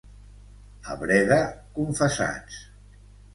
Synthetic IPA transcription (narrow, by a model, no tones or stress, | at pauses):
a̰βɾɛɣakuɱfəsa̰t͡s